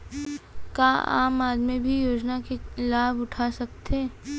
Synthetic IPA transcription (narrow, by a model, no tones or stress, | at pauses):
kaa̰ːmaːd̪mebʱijoːd͡ʒnakelaːbʊʈʰasɐk̚t̪ʰeː